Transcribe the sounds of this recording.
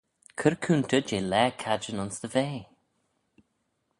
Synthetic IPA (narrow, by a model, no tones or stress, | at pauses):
kʰəɹkʰuːnt̪ʰəd͡ʒeːlɛːkʰad͡ʒənɔnsd̪əveː